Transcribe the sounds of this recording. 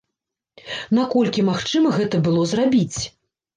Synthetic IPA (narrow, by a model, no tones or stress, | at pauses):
n̪akɔlʲkʲimaxt͡ʂɨmɐɣɛt̪ɐbɨlˠɔzrabʲit͡sʲ